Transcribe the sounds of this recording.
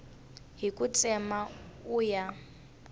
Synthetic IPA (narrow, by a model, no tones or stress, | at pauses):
ɦikʼut͡sʼɛmauːja